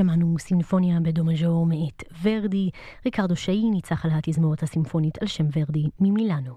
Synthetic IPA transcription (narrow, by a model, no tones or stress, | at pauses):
amanusinfo̞njabedo̞maʒoʁmeʔetveʁdiʁikaʁd̪oʃainit͡saχalɦat̪izmoʁethasinfo̞nitʰalʃemveʁdimimilano